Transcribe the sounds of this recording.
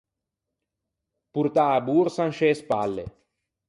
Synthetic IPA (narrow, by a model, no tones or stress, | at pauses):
puɾt̪aːbuːɾsanʃespa̰lːḛ